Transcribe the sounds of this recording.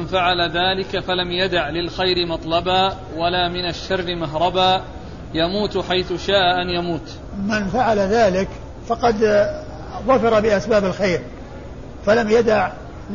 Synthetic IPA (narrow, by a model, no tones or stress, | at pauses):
nfaʕalaðaːlɪkafalamjad̪aʕlɪlxajɾɪmɑt̪ˤlɑbaː | walaːmɪnaʃːɑrːɪmaɦɾˤɑbaː | jamuːt̪ħajθʊʃaːʔaʔanjamuːt̪ | mɪnfaʕalaðaːlɪk | fɑqɑd̪ | ðˤɑfɑɾˤabɪʔasbaːbɪlxeːɾ | falamjad̪aʕ